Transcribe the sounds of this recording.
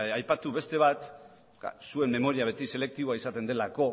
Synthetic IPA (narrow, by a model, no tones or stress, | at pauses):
ajpat̪uβe̞st̪e̞β̞at̪ | sue̞mːe̞mo̞ɾiaβ̞e̞t̪ise̞le̞k̚t̪iβo̞aisat̪e̞nd̪e̞lako̞